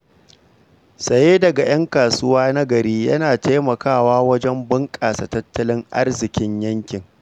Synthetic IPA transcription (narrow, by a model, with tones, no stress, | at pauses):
sʼɐ˨jeː˦dɐ˨ɡa˨j̰ʔɐ˦ŋkaː˨sʊ˦waː˦na˦ɡɐ˨ɾiː˦jɐ˦naː˨ta˦jmɐ˨kaː˦˨waː˦wɐ˦d͡ʒɛ˦mbɪ˦ŋkʼaː˨sa˨tɐ˦tːɐ˦lɪ˦ŋʔa̰˦rzɪ˨kʲɪ˦ɲjɐ˦ŋkʲɪ˨ŋ